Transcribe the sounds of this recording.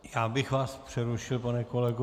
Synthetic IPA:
jaːbɪxvaːspr̝̥ɛɾuʃɪlpanɛkolɛɡu

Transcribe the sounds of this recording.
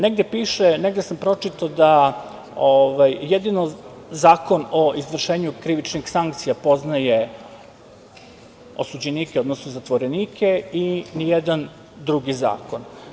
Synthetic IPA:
neɡd̪epiːʃeneɡd̪esampɾo̞t͡ʂit̪ad̪a | oʋajːed̪inozaːko̞noʔizʋr̩ʃe̞ːɲukɾiʋit͡ʃnixsaŋk̚t̪sijapo̞znaje | o̰sud͡ʑeniːkeo̞d̪nosnozat̪ʋo̞ɾeniːkʰe̞inijed̪an | d̪ɾuɡiza̰ːkon

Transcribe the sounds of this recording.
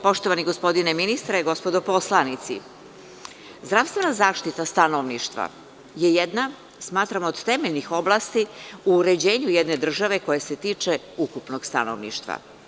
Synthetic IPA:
po̞ʃt̪oʋaniɡospo̞d̪ineminist̪ɾeɡo̞spo̞d̪opo̞slˠanit̪sḭ | zd̪ɾaʋst̪ʋe̞nazaːʃt̪it̪ast̪anoʋniʃt̪ʋa̰ | je̞jed̪na | smaːt̪ɾamood̪t̪emeʎnixo̞blˠaːst̪iuɾe̞d͡ʑe̞ːɲujed̪ne̞d̪r̩ʒaʋe̞ko̞jese̞t̪iːt͡ʂe | ukupno̞ɡst̪a̰no̰ʋnḭʃt̪ʋa̰

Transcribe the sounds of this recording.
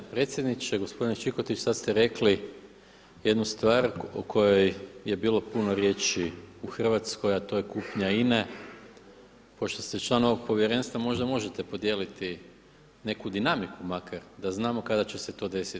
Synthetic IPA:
pɾe̞t̪sʲje̞d̪nit͡ʃeɡo̞spo̞d̪int͡ʃiko̞t̪it͡ʃsad̪st̪eɾe̞kli | je̞d̪nust̪ʋaːɾo̰kʰo̞jo̞jje̞biːlˠo̞puno̞ɾje̞t͡ʃiuxr̩ʋat̪sko̞jat̪o̞jekuːpɲaine̞ | po̞ʃt̪o̞st̪et͡ʃlˠaːno̞ʋo̞ɡ̚po̞ʋjeɾe̞nst̪ʋamo̞ʒd̪amo̞ʒet̪epo̞d̪je̞ːlit̪i | ne̞kud̪inamikumakʰaɾd̪aznaːmo̞kad̪at͡ɕeset̪o̞ːd̪e̞si

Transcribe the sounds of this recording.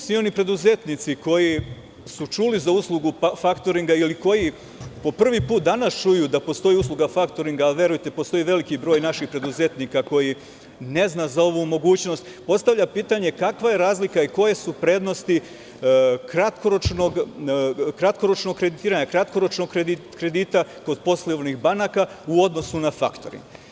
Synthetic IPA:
smionipɾe̞d̪uzet̪nit̪siko̞ji | sut͡ʃulizauslˠuɡufakt̪o̞ɾiŋɡailiko̞ji | po̞pr̩ʋipuːt̪̚d̪anast͡ʃujuːd̪apo̞st̪o̞jiuslˠuɡafakt̪o̞ɾiŋɡaːliʋje̞ɾujt̪e̞po̞st̪o̞jiːʋe̞likibɾo̞ːjnaʃixpɾe̞d̪uze̞t̪niːkako̞ji | ne̞znazao̞ʋumo̞ɡuːt͡ɕno̞st̪po̞st̪aʋʎapiːt̪aɲe̞kakʋajeɾaːzlikaiko̞je̞supɾe̞ːd̪nost̪i | kɾat̪koɾot͡ʃnoɡ | kɾat̪ko̞ɾot͡ʃno̞ɡ̚kːɾe̞d̪it̪iːɾaɲakɾat̪ko̞ɾo̞t͡ʃnoɡkɾed̪ikɾe̞d̪iːt̪ako̞d̪po̞sleʋnixbanakauo̞d̪no̞sunafa̰kt̪o̞̰ɾḭŋɡ

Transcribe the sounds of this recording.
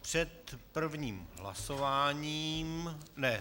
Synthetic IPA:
pr̥ɛt̪pr̩vɲiːmɦla̰sovaːɲiːmnɛ

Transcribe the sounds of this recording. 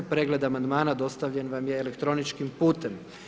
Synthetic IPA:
pɾeɡle̞d̪amand̪maːnad̪o̞st̪aʋʎe̞nʋamjeːlekt̪ɾo̞nit͡ʃkimpuːt̪e̞m

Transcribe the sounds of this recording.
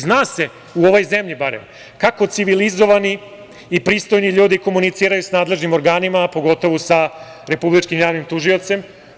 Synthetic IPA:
znaːse̞ | uo̞ʋo̞jze̞mʎibaɾḛm | kako̞t̪siʋilizo̞ʋaniː | pɾiːst̪o̞jniʎuːd̪iko̞munit̪siːɾajusnaːd̪le̞ʒnimo̞ɾɡaːnimapo̞ɡo̞t̪o̞ʋusa | ɾe̞publit͡ʃkimjaːʋnimt̪uʒio̞t̪se̞m

